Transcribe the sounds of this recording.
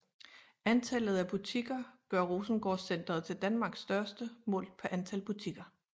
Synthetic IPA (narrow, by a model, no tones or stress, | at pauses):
ænt͡sʰælð̞̩ˠæb̥ut͡sʰiɡ̥ɐɡ̥ɶɐʁo̝ːsn̩ɡ̥ɒ̰sen̰d̥ʁɐð̩ˠt͡sʰe̝ld̥ænmɑ̈ːɡ̥sːd̥ɶɐsd̥əmɔ̰̽ːlpʰæɐʔænt͡sʰælb̥ut͡sʰiɡ̥ɐ